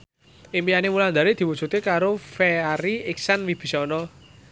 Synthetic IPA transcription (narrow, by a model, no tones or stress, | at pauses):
ʔɪŋpijanemuland̪aɾed̪̥i̤wu̥d͡ʒ̥ut̪ekaɾofeaɾiɪksanwib̥i̤sɔnɔ